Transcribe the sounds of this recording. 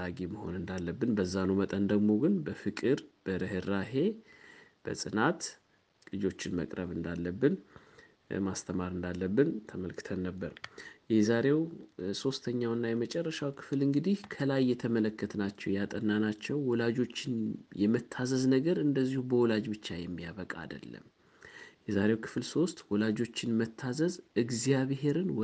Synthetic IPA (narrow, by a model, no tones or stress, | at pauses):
aɡeməho̞̰nɨnd̪alːəbːɨnbəzːanumət̪ʼənd̪əɡmo̞ɡɨnbəfɨkʼɨɾb̥əɾəhɨrːaɦe̞ | b̥ə̰sʼɨnat̪ | kʼɨd͡ʒo̞t͡ʃːɪnmə̰kʼɾəβɨnd̪alːəbːɨn | mast̪ʰəmaɾɨnd̪alːəbːɨnt̪ʰəməlkʰɨ̥t̪ʰənːəbːəɾjɛzaɾe̞wso̞st̪ʰəɲːawnːajɛmət͡ʃʼɛrːəʃawkʰɨ̥flɨŋɡɨd̪ihkʰəlajːɛt̪ʰəmələkʰːət̪ʰnat͡ʃːɛwjat̪ʼənːanat͡ʃːɛwːɔlad͡ʒo̞t͡ʃːɪnjɛmət̪ʰːazəznəɡəɾɨnd̪əzːihubəwɔlad͡ʒbɨt͡ʃːajɛmːijaβəkʼa̰ːd̪ə̰lːə̰m | jɛzaɾe̞wkʰɨ̥flso̞st̪wɔlad͡ʒo̞t͡ʃːɪnmət̪ʰːazəzɨɡzijaβhe̞ɾɨn